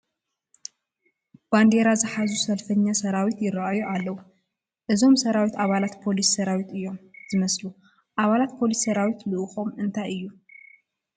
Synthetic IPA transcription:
b̥and̪e̞ɾazɨħazusɐlfɐɲːasɐɾawit̪jɪɾaʔajuʔalːɐwu | ʔɨzo̞msɐɾawit̪aβalat̪pʰo̞lisːɐɾawit̪ɨjːo̞mz̥ɨmɐslu | ʔaβalat̪̚pʰo̞lisːɐɾawit̪lɨʔɨxo̞mɨnt̪ʰajɨjːu

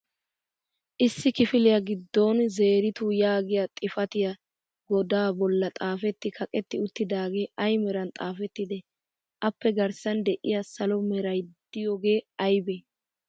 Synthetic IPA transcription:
ʔɪsːɪkɪfɪlɪjɐɡɪd̪ːoːnze̞ːɾɪt̪ʊjaːɡɪjɐt̪ʼɪfɐt̪ɪjɐ | ɡɔd̪aːbɔlːɐt̪ʼaːfɛt̪ːɪkʰɐkʼɛt̪ːɪʊt̪ːɪd̪aːɡe̞ːʔɐjmɛɾɐnt̪ʼaːfɛt̪ːɪd̪ɛ | ʔɐpːɛɡɐɾsɐnd̪ɛʔɪ̰jasɐlɔmɛɾɐjd̪̥ɪjoːɡe̞ːɐjbɛ

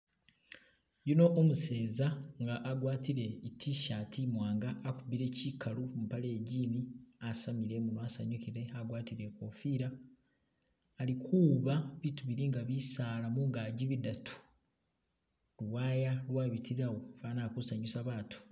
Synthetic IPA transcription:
juno̞ʔomuse̞ːzaŋɡaʔːɡwaːtiɾe̞itʰiʃatimwaːŋɡaːkubiɾe̞cikʰalumupaleːɟiːniasamiɾe̞munwasaɲukiɾe̞aɡwaːtiɾe̞ko̞ːfiɾa | likʰuːβaβituβiɾiŋɡaβisaːlamuŋɡaːɟiβidatʰu̥ | ɾuwaːjalwaːβitʰiɾawofaːnaːkusaɲusaβaːtu̥

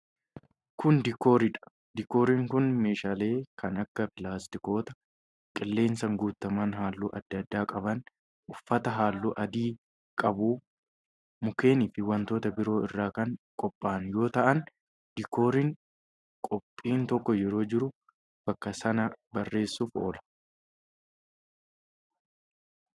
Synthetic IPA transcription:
kʊnd̪ɪkːo̞ːɾɪᶑɐ̥ | d̪ɪkːo̞ːɾiːŋkʊnme̞ːʃaːle̞ːkʰɐnɐkːɐpɪlaːst̪ɪko̞ːt̪ɐ | kʼɪlːe̞ːnsɐŋɡuːt̪ːɐmaːnɦaːlːṵːʔɐd̪ːɐd̪ːaːkʼɐbɐn | ʔʊfːɐt̪ɐɦaːlːuːʔɐd̪iː | kʼɐbu | mʊke̞ːniːfɪwɐnt̪o̞ːt̪ɐbɪɾo̞ːɪrːaːkɐŋkʼɔpʼːaːnjo̞ːt̪ɐʔɐn | d̪ɪko̞ːɾɪŋ | kʼɔpʼːiːnt̪ɔkːɔjɛɾo̞ːd͡ʒɪɾʊ | b̥ɐkːɐsɐnɐbɐrːe̞ːsːufʔo̰ːlɐ̥

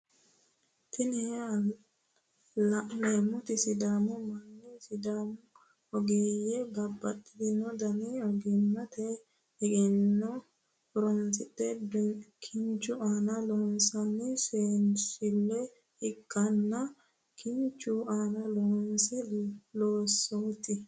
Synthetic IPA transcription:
t̪ɪnɛa | neːmʊt̪ɪsɪd̪aːmɔmɐnːɛsɪd̪aːmɔ | ɔɡeːjɛbɐbːɐt̪ʼːɪd̪ɪnɔd̪ɐniɔɡɪnːɐt̪ʰɛ | ɪɡɛnːɔ | ɾɔnsɪtʼːɛbkʰɪnt͡ʃːʊaːnɐloːnsɐnːɛseːnsɪlːɛ | ɪkʼːɐnːɐ | kʰɪnt͡ʃːʊaːnɐloːnsɛloːsːoːt̪ɪ

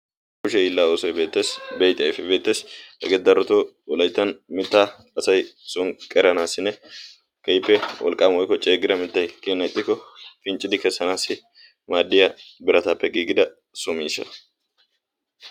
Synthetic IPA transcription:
kʊʃɛiːlːaːoːsɔjbe̞ːt̪ːe̞ːsbejt̪ʼɐjfɛbe̞ːt̪ːe̞ːshɛ̰ɡɛd̪ɐɾːɔt̪oː | wɔlɐjt̪ːɐnmɪt̪ːaː | ɐsɐjsʊŋkʼɛɾɐnaːsːɪnɛ | kɐjɪpːɛwʔɔ̰lkʼamwɔjkːɔt͡ʃʼeːɡɪɾɐmɪt̪ːɐjkʼiːnːɐɪt̪ʼːɪkːɔfɪnt͡ʃʼːɪd̪ɪkɛsːɐnaːsɪ | maːd̪ːɪjɐbɪɾɐt̪apːɛɡiːɡɪd̪ɐ | sʊmiːsɐ̰

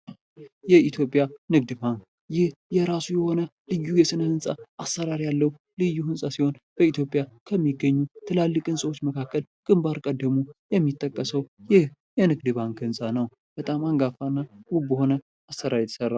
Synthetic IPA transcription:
jɛit̪ʰjo̞pʼjanɨɡd̪ɨbaŋk | jɪhjɛɾasujɛho̞nəlɨjːujɛsɨnəhɨnsʼaʔasːəɾaɾijalːəhu | lɨjːuhɨnsʼasiho̞nb̥əit̪ʰjo̞pʼjakʰəmːiɡːəɲːut̪ʰɨlalːɨkʼɨnsʼəwo̞t͡ʃːməkʰakʰːəlkʼɨmbaɾkʼəd̪ːəmujɛmːit̪ʼːəkʼːəsəwjɪh | jɛnɨɡd̪ɨbaŋkɨnsʼanəw | b̥ət̪ʼamaŋɡafanːawubəho̞nə | asəɾaɾjt̪ʰə̥sərːa

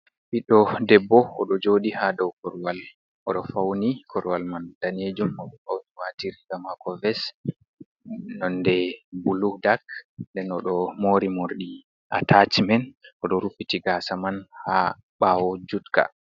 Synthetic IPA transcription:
biɗɔdɛbːɔɔɗɔd͡ʒoːɗihadɔwkɔɾwal | ʔɔɗɔfawnikʰɔɾwalmandaned͡ʒumɔɗɔfawniwatiɾiɡamakɔvɛs | nɔndɛbuludakndɛnɔɗɔmoːɾimoɾɗi | ʔa̰tʰat͡ʃmɛnʔɔɗɔɾufitiɡasamanha | ɓaːwɔd͡ʒutka̰

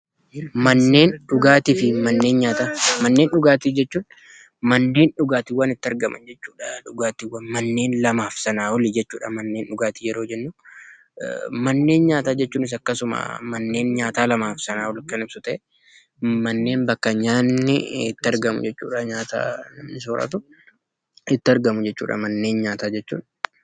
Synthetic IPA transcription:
mɐnːe̞ːnɗʊɡaːt̪iːfɪmɐnːe̞ːnɲaːt̪aːmɐnːe̞ːnɗʊɡaːt̪iːd͡ʒɛt͡ʃːuːᶑ | mɐnːe̞ːnɗʊɡaːt̪ɪwːɐnɪt̪ːɪɐɾɡɐmɐ̰nd͡ʒɛt͡ʃːuːᶑɐᶑʊɡaːt̪ɪwːɐnmɐnːe̞ːnlɐmaːfsɐnaːwɔlid͡ʒɛt͡ʃːuːᶑɐmɐnːeːnᶑʊɡaːt̪ijɛɾo̞ːd͡ʒɛnːʊ | mɐnːe̞ːnɲaːt̪aːd͡ʒɛt͡ʃːuːnɪs̬ɐkːɐsʊma̰ːmɐnːe̞ːnɲaːt̪aːlɐmaːfsɐnaːwɔlkɐnɪbsʊt̪ɐʔɛ | mɐnːe̞ːnbɐkːɐɲaːnːɪɪt̪ːɪɐɾɡɐmʊ̰d͡ʒɛt͡ʃːṵːᶑɐɲaːt̪a̰ːnɐmnɪsoːɾʔɐ̰t̪ʊ | ɪt̪ːɪɐɾɡɐmʊd͡ʒɛt͡ʃːṵːᶑʔɐ̰mɐnːe̞ːnɲaːt̪aːd͡ʒɛt͡ʃːṵːᶑ

